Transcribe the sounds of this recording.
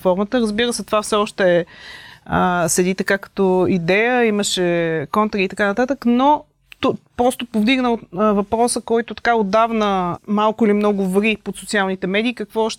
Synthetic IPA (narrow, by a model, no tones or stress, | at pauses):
fɔɾmət̪əɾəzbiɾəsɛt̪ovafsɛɔʃt̪ɛː | əsɛd̪it̪ɐkakə̥t̪ɔid̪ɛjəiməʃɛkɔnt̪ɾiit̪ɐkanɐt̪at̪əkno | t̪opɾɔst̪opovd̪iɡnəvɐpɾɔsəkɔjt̪ʊt̪ɐ̥kaod̪avnəmalˠkʊilimnɔɡʊvɾipot̪sot̪sialˠnit̪ɛmɛd̪iːkəkvɔːʃt̪ɛ